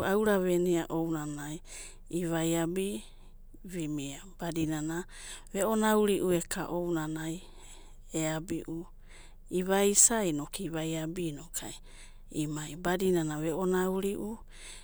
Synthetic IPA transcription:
awɾaβeniaʔownanaj | iβajabi | βimiab̥adinana | βeonawɾiʔuekʰaʔownanaj | eabiʔu | iβajsajnokiβajabinokʰa̰j | imajbadinanaβeonauɾiʔu

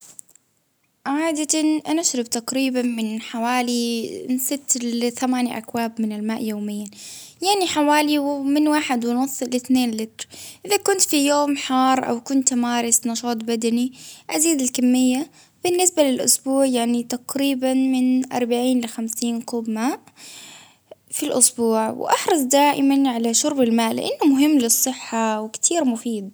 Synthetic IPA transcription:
ʕaːd̪at̪ʔanaʔaʃɾˤɑbt̪aqɾiːbanmɪnħawaːlinsɪt̪lɪθamaːnjaʔa̰kwaːbmɪnɪlmaːʔjoːmɪjːajaʕniħawaːliwmɪnwaːħɪd̪wɪnʊsˤːlɪθneːnlɪt̪ɾʔɪðakʊnt̪fijoːmħɑːɾˤʔa̰wkʊnt̪maːɾˤɪsnɑʃɑːt̪ˤbad̪aniʔaziːd̪ɪlkamːɪjːa | b̥ɪnːɪsbalɪlʔʊsbuːʕjaʕnit̪aqɾiːbanmɪnʔɑ̰ɾˤbaʕiːnlɪxamsiːnquːbmaːʔ | filʔʊ̰sbuːʕw̰ʔɑħɾˤɑsˤd̪aːʔɪmanʕalaʃʊɾbɪlmaːʔlɪ̰ʔanːʊmʊɦɪmːlɨsˤːɨħːawɪkt̪ʰiːɾmʊfiːd̪̚

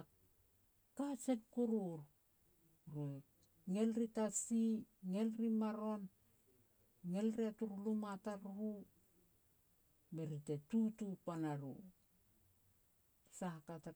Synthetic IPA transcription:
a | kat͡ʃenkuɾuɾ | ɾue | ŋe̞lɾitasiŋe̞lɾimaɾon | ŋe̞lɾeatuɾulumataɾɾu | meɾitetutupanaɾu | sakata

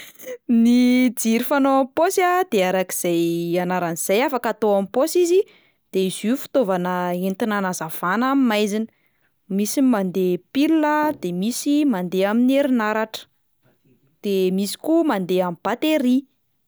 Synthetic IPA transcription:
nid͡ziɾifanoamiposad̪eaɾaki̥z̥ajanaɾaniz̥ajafakat̪oamiposizi | d̪̥eizifu̥t̪ovanəent̪inanazav̥anamimajzinə̥ | misimand̪epilunəd̪emisimand̪eamineɾinaɾaʈ͡ʂə̥ | d̪̥emisi̥kumand̪eamib̥at̪eɾi

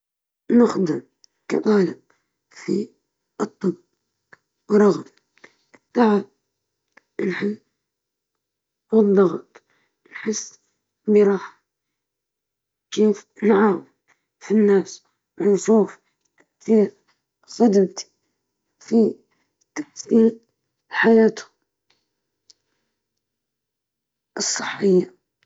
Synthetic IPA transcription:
nɪxd̪ɪɾ | kɑ̰t̪ˤɑːlɪb | fi | ɨt̪ˤːɨbː | wɾˤɑɣm | ɨt̪ˤːɑʕab | ɪlħɪlː | wɨðˤːɑɣɑt̪ˤ | nħɪsː | biɾˤɑːħ | keːfnʕaːw | finːaːs | wɪnʃuːf | kθiːɾ | sʊd̪amt̪ | fi | t̪ḁfθiːl | ħajaːt̪ʊ̥ | ʔɨsˤːɨ̥ħːɪjːa

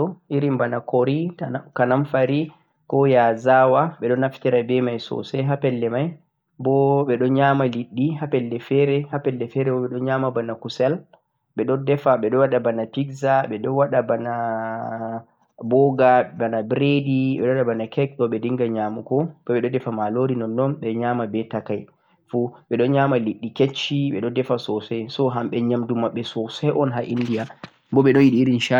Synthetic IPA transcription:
ɔʔiɾimbanakɔɾikanamfaɾi | kɔjazawaɓɛɗɔnaftɛɾabɛmajsɔ̰sɛɦapɛlːɛmaj | bɔɓɛɗɔɲaːmaliɗːihapɛlːɛfɛɾɛhapɛlːɛfɛɾɛbɔɓɛɗɔnɲamabanakusɛl | ɓɛɗɔndɛfaɓɛɗɔwaɗabanapiɡzaɓɛɗɔwaɗabana | bɔɡaɛbanabɾediɓɛɗɔwaɗabanakʰɛkɗɔɓɛdiŋɡaɲamukɔb̥ɔɓɛɗɔdɛfamaloɾinɔnːɔnɓɛɲaːmabɛtakaj | fuɓɛɗɔnɲamaliɗːiket͡ʃːiɓɛɗɔdɛfasɔsɛjsɔɦamɓɛɲamdumaɓːɛsɔsɛjʔɔnɦaʔindija | bɔɓɛɗɔnjiɗiːɾinʃa

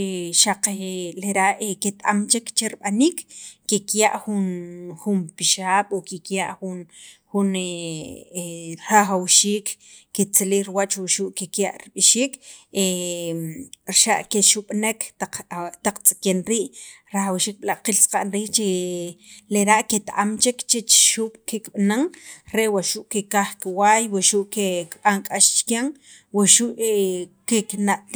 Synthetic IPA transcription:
eʃaqeleɾaʔeket̪ʼamt͡ʃekt͡ʃeɾiɓaniːkːekjaʔxunxumpiʃaːɓ̥okikjaʔxunxune | ɾaxawʃiːkː | et͡selihɾiwat͡ʃwuʃuːʔkekja̰ʔɾiɓiʃiːke | ɾʃaʔkeʃuɓ̥nekat̪aq͡χt͡sʼi̥kenɾiːʔ | ɾaxawʃiːk̚ɓlaqilsqaʔnɾiːht͡ʃe | leɾaʔket̪aʔamt͡ʃikt͡ʃet͡ʃʃuɓ̥kekɓnaŋɾewaʃuʔkekaχkiwaːjwaʃuʔkekɓ̥aŋkʼaʃt͡ʃkaŋ | waʃuʔkeknaʔt̪

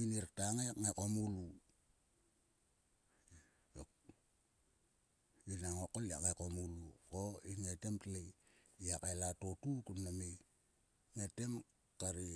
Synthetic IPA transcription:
iniɾtaŋajkŋakomulu | o | inaŋokoliakŋakomulukoiŋetemtleiakaelatotukunname | ŋete̞m | kaɾi

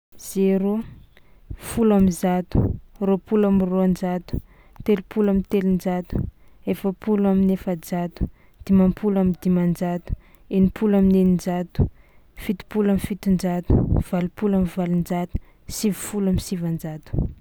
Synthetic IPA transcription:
z̥eɾo | fulamizat̪u̥ropulamiroand͡ʒat̪u̥ | t̪elupulamint̪elind͡ʒat̪u̥ | efəpuluaminefəd͡zat̪u̥ | d̪̥imampʰulamid̪imand͡ʒat̪u̥ | enipʰulaminenind͡ʒat̪u̥ | fit̪i̥pulamifit̪ind͡ʒat̪u̥v̥alupulamivalind͡ʒat̪u̥ | sivufulamisivand͡ʒat̪u̥

